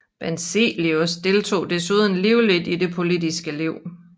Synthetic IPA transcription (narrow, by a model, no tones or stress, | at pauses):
b̥ensḛliosd̥e̝lt͡sʰo̝̰ːd̥esuð̞ˠn̩liʊlid̥ide̝pʰo̝lid̥isɡ̥əliʊ̰